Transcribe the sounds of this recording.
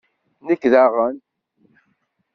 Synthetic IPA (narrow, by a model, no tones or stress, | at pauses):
nəkːðaʁən